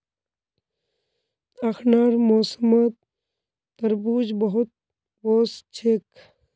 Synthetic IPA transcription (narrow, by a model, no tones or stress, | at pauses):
akʰnaːɾmoːsəməd̪̚ː | əɾbuːd͡ʒbəɦʊt̪̚ | boːst͡ʃʰek